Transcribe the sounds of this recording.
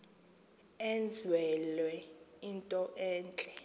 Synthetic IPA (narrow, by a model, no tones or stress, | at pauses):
end͡zʱwɛlwɛintʼɔʔɛːnt͡ɬʼɛ